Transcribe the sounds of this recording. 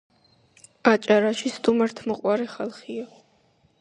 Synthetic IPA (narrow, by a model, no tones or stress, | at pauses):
at͡ʃʼaɾaʃist̪ʼumɛɾt̪ʰmɔqʼwaɾɛχalˠχia